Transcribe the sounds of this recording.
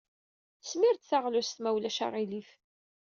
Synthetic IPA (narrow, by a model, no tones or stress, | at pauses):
θsmiɾt̪θaʁlust̪mæwlæʃa̰ʁilif